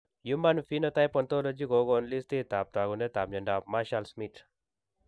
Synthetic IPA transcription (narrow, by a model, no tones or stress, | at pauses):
jumanfinot̪ajpɔnt̪olod͡ʒikoɡonlist̪it̪aːp̚t̪aɡundet̪aːpd͡ʒɐɳɖaːpmaʃalsmiʈ